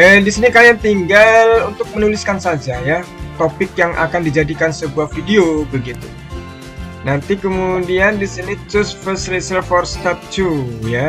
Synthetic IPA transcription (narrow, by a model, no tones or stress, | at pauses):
ədisinikajaŋt̪iŋɡalunt̪ʊk̚mənulɪskansad͡ʒajat̪opɪkjaŋʔa̰kandid͡ʒadikansəbuahfideobəɡit̪u | nant̪ikəmudiandisinit̪ɾʊsfəslisəlfɔrst̪at̪̚t͡ʃuja